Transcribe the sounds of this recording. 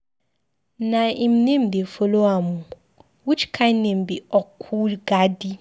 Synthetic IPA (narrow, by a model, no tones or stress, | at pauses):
nãĩmnẽmdefoloamũ | wut͡ʃi̥kʰãnɛ̃m̩biɔkʰuɡadi